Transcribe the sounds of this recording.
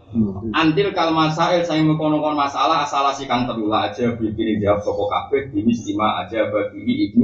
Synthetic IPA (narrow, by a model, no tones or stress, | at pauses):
ʔant̪ɪlkalmasaɪlsaɪŋmikɔnɔkɔnmasalaɦasalahsikaŋt̪əlulaːd̥ʒ̥abɾik̪inid͡ʒaap̚sɔkɔka̰pɪd̪inist̪imaʔa̰d̥ʒ̥abak̪iniʔik̚ni